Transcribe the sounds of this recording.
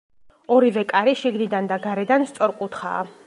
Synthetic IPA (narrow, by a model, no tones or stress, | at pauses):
ɔɾivɛkʼaɾiʃiɡnid̪and̪aɡaɾɛd̪anst̪sʼɔɾkʼut̪ʰχa̰ː